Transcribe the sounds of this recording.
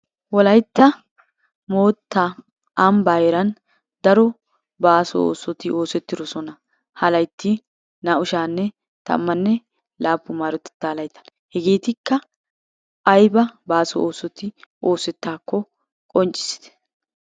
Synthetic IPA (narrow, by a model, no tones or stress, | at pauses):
wɔlɐjt̪ːɐ | moːt̪ːa | ɐmbaːjɛɾɐn | d̪ɐɾɔ | baːsɔ̰o̰ːsɔt̪ɪo̞ːsɛt̪ːɪd̪ɔsɔnɐ | hɐlɐjt̪ːɪ | nɐʊʃaːnːɛ | t̪ɐ̰mːɐnːɛ | laːpːʊmaːɾɔt̪ɛ̥t̪ːaːlɐjt̪ːɐ̥ | hɛɡeːt̪ɪkːɐː | jbɐbaːsɔ̰oːsɔt̪ɪo̞ːsɛt̪ːaːkːɔ | kʼɔnt͡ʃʼɪ̥sɪ̥d̪ɛ̥